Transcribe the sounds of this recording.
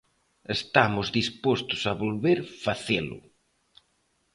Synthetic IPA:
est̪amʊzðispost̪ʊ̥saβolβeɾfaθelʊ̰

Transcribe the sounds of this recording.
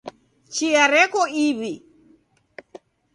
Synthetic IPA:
t͡ʃiaɾɛkɔiβi

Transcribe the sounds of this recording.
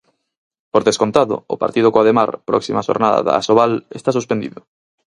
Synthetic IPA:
poɾðeskont̪aðʊ̰ʊpa̰ɾt̪ið̞ʊkoaðema̰ɾpɾɔ̰ksimaʃo̰ɾnaða̰ða̰soβalḛst̪asuspend̪iðʊ

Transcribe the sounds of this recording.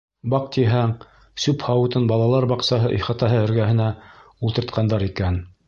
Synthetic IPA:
bɑq̚t̪iɦæŋ | sʉphɑwɤ̆t̪ɤnbɑlˠɑlˠɑɾbɑqsɑɦɤʔiχɑt̪ɑɦɤɵ̆ɾɡæɦɘ̆næulˠt̪ɤɾt̪̚qʰɑnd̪ɑɾikæn

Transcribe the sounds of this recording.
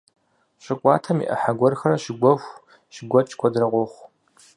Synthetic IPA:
ɕʷɪkʷʼɑ̰ːtʰɐmḭːʔɐ̰ħaɡʷɔrxɐrɐʃɪɡʷɔxʷ | ʃɪɡʷɔt͡ʃʼkʷʰɔdrɐʁʷɔχʷ

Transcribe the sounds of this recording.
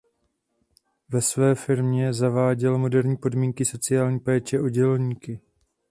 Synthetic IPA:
vɛsvɛːfɪɾmɲɛzavaːɟɛlmo̞dɛɾɲiːpo̞dmiːŋkɪso̞t͡sɪjaːlɲiːpɛːt͡ʃɛʔo̞ɟɛlɲiːkɪ

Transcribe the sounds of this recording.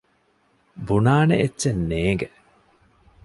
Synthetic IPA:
bunaːneʔetːt͡ʃenːeːŋɡe

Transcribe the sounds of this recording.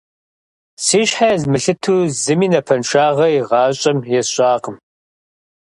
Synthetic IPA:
siːɕħazmɨɬɨtʰuːzɨmiːnɐpʰɐnʃaːʁɐjiʁɑːɕʼɐmjɛɕʼaːqəm

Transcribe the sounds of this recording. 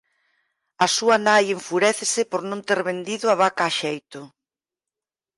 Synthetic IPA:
ɐsuɐnajeɱfuɾɛθesɪpoɾnõnt̪eɾβend̪iðʊaβakaːʃejt̪ʊ

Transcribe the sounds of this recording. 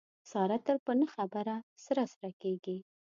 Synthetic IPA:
sɑɾat̪ːəɾpənəxabəɾasəɾasaɾakeɡi

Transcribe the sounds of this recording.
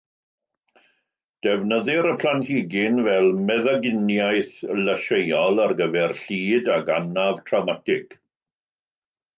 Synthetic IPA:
d̥ɛvnəðɪɾəpʰl̥anhiːɡɪnvɛlˠmɛðaɡɪnjajθləʃejɔlˠarɡəvɛrɬiːdaɡanavtʰrawmatʰɪɡ̥

